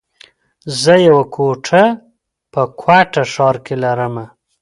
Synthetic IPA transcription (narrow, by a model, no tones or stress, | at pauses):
zəjawakʰoʈʰa | pəkʰwaʈaʂɑɾkelaɾəma